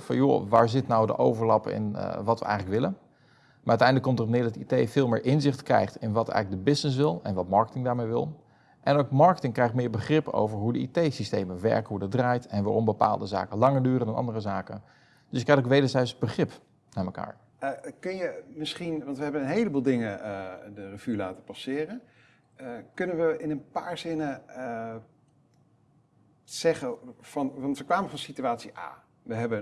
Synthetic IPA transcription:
fɑ̰njo̰ʋaːɹzɪtnawdə̰ʔo̰wvəɹlɑpɪ̰n̰ʋɑtʋə̰ʔɛ̰jχələkʋɪlən | maɹœɥtɛjndələkːomtərɔp̚nɪːɹdɑtitejfɪːlˠmɪːɹʔɪnzɪχtkrɛ̰jχtɪnʋɑtɛ̰jɣlək̚dəbɪsnɪs̬ʋɪlˠɛnʋɑtmɑɹkə̥tɪŋdaːɹmejʋɪ̰lˠ | ʔɛnowkmɑɹkətɪŋkrɛjχtmɪːɹbəχrɪpo̰wvəɹɦudəḭtejsistejməʋɛ̰ɹkəɦudɔt̚draːjtʰɛnʋaːrɔmbəpa̰ːlˠdəza̰ːkəlɑŋəɹdyːrədɑnʔɑ̰ndərəzaːkə | dɵsɪkːɛjtokʋejdəɹzɛjsbəχrɪp | naːməka̰ːɹ | kɵnjəmɪsχinʋɑntʋəɦɛbənənɦejləbuːlˠdɪŋədərəv̥ylaːtəpɑsɪːrən | kɵnənʋəʔɪnənpaːɹzɪnə | z̥ɛχəfɑnʋɑntʋəkʋaːməvɔnsityaːtsiʔa̰ː | ʋəɦɛbə

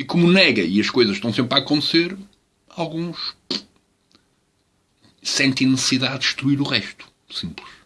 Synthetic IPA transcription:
ikomunɛɣɐiɐʃkojzɐʃt̪ɐ̃w̃sẽmpɾaːkõnt̪seɾ | alˠɣũʃ | sẽnt̪ɐ̃j̃nɨsɨ̥siðaðʃt̪ɾuiɾuʁɛʃt̪u̥ | sĩmplˠɨʃ

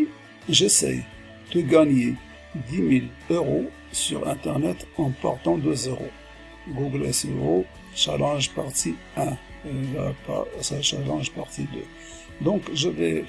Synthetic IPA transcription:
ʒesɛ̰j | d̪̥əɡaɲe | d̪imil | øʁo | syʁɛ̃t̪ɛʁnɛt̪ɑ̃pɔ̰ʁt̪ɑ̃d̪øzeʁo̰ | ɡuɡleseo | ʃa̰lɑ̃ʒpaʁt̪i | ɛ̃ | la̰pa̰saʃalɑ̃ʒpaʁt̪id̪ø̰ | d̪ɔ̃kʒəvɛ

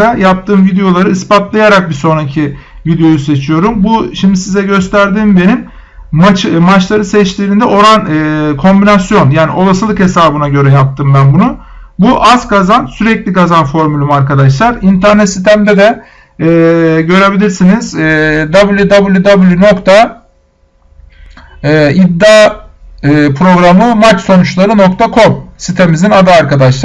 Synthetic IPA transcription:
ajap̚t̪ʰɯːmvid̪ejo̞lˠaɾɯːspat̪lˠajaɾak̚biso̞nɾacʰi | vid̪ejo̞juse̞t͡ʃʰijo̞ɾumbuʃimd̪isizɛɟø̞st̪ʰæɾd̪iːmbe̞nim | mat͡ʃmat͡ʃlˠaɾɯsɛt͡ʃlʲiɾind̪ɛʔo̞ɾanɯːkʰo̞mbinasjo̞njaːnio̞lˠasɯlˠɯkhe̞saːbɯnaɟø̞ɾɛjap̚t̪ʰɯːmbænbunu | buʔazkazansyɾɛclʲiɡazanfo̞ɾmylʲymaɾkʰad̪aʃlˠaɾint̪ʰæɾnɛt̪sit̪ʰæmd̪ɛd̪ɛː | ɟø̞ɾe̞bilʲiɾsiniz̥d̪abɯlʲˠjud̪abɯlˠjud̪abɯlˠjuno̞kt̪ʰa | id̪ːa | ɯːpʰɾo̞ɡɾamɯmat͡ʃso̞nut͡ʃlˠaɾɯno̞kt̪ʰakʰo̞msit̪ʰemizinad̪aːɾkad̪aʃlˠa

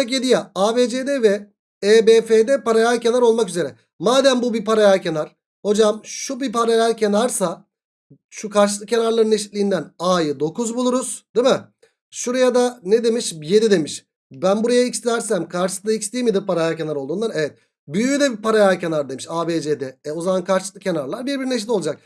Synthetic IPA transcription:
akjed̪ijaaːbeːd͡ʒed̪ɛvɛ | eːbeːfeːd̪ɛpaɾajalʲce̞naɾo̞lˠmakyze̞ɾɛ | maːd̪ænbubipaɾajalʲcʰenaɾ̥ | ho̞d͡ʒamʃubipaɾajælʲcʰenaɾsa | ʃukʰaɾʃ̬ɯlˠɯkcːe̞naɾlˠaɾɯneʃit̪lʲijind̪ænaːjɯd̪o̞kuzbulˠuɾuz̥d̪̥imɪ | ʃuɾajad̪aned̪e̞miʃje̞d̪id̪e̞miʃ | bænbuɾajaicsʲæɾsæmkʰaɾʃɯ̥sd̪aicst̪ʲijmid̪ipaɾajalʲcʰe̞naɾolˠd̪uːnaɾevɛt̪̚ | byjyyd̪ɛbipaɾajælʲce̞naɾd̪emiʃaːbeːd͡ʒeːd̪ɛɛo̞zamankʰaɾʃlˠɯkcʰːe̞naɾlˠaɾbiɾbiɾineʃ̬it̪oad͡ʒak̚

